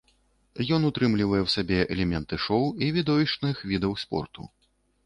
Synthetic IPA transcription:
jɔnut̪ɾɨmlʲivɐjɛwsabʲɛʔɛlʲɛmʲɛnt̪ɨʂɔwivʲid̪ɔvʲiʂt͡ʂnɨxvʲid̪ɐwspɔ̰rt̪ṵ

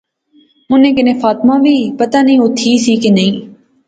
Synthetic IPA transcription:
mʊnẽːkɪnẽːfaːt̪mãːʋiːpət̪aːnəĩːʊt̪ʰːiːsiːkenəĩː

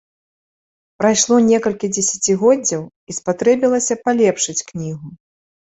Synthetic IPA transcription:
pɾajʂlˠɔnʲɛkɐlʲkʲid͡zʲɛsʲat͡sʲiɣɔd͡zʲːɐw | ispat̪ɾɛbʲilˠɐsʲɐpalʲɛpʂɨt͡sʲknʲiɣu

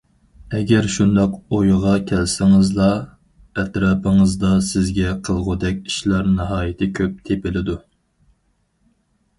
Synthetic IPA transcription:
ɛɡʲɛɾʃund̪ɑqojʁɑkʲʰɛlsɪŋɨzlˠɑ | ɛt̪ɾɑpɨŋəzd̪ɑsɪzɡʲɛqʰəlˠʁʊd̪ɛkʲi̥ʃlæɾnɨɦɑːjɪt̪ʰɪkʲʰøp̚t̪ʰepɪlɪd̪u

